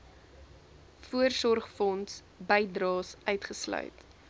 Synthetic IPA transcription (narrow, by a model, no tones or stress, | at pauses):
fuərsɔrχfɔns | bəjdrɑːsœɥtχəslœ̰ɥt